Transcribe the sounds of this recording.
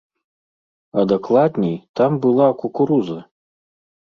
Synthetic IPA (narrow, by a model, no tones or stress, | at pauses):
ɐd̪ɐklˠad̪nʲɛjt̪ambɨlˠakukuɾuzɐ